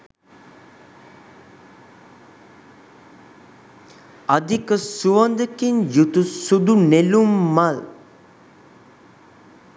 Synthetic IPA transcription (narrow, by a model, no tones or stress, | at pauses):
ad̪ikəsuʋand̪əkinjut̪usud̪unelumːal